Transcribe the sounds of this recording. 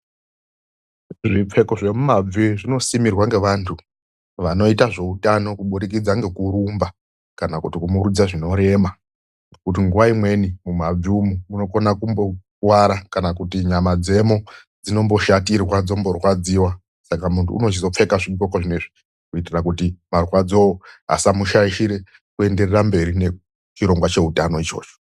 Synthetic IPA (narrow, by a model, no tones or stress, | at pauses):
ʐip͡fe̞ko̞ʐemumab͡viʐino̞simirwaŋɡe̞ʋantʰu | ʋano̞itaʐe̞utano̞kuɓuɾikid͡zaŋɡe̞kuɾumba | kanakutikumurud͡zaʐino̞ɾe̞ma | kut̬iŋɡuʋaimwe̞nimumab͡viumumuno̞ko̞nakumbo̞ | waɾakanakutiɲamad͡ze̞mo | d͡zino̞mbo̞ʃatirwad͡zo̞mbo̞rwad͡ziwa | sakamuntʰṵːno̞t͡ʃizo̞p͡fe̞kaʐiɡokoʐineʐi | kuitirakutimarwad͡zo̞oɦa̰samuʃaiʃiɾe̞ | kue̞nde̞rerambe̞ɾine | t͡ʃiɾo̞ŋɡwat͡ʃe̞utano̞it͡ʃo̞̰ːt͡ʃo̥